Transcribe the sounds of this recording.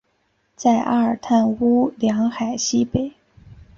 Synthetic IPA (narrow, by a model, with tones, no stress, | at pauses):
t͡sa˥˩ɪʔa̰˥ə˞˨˩t̪ʰa˥˩nu˥ljɑ˧˥ŋxa˨˩ɪɕi˥pe˨˩˦ɪ